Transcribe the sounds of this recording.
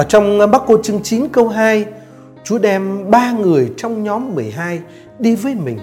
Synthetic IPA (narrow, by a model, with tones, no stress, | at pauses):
ʔəː˧˩t͡ɕɔ˧wŋ͡mɓaː˦˥t̚ko˧t͡ɕɨ˧əŋt͡ɕi˨˦nkə˧wɦaː˧j | t͡ɕu˨˦ɗɛ˧mɓaː˧ŋɨ˨˩əjt͡ɕɔ˧wŋ͡mɲɔ˨˦mːɨ˨˩əjɦaː˧j | ɗi˧vəː˨˦jmï˨˩ŋ̟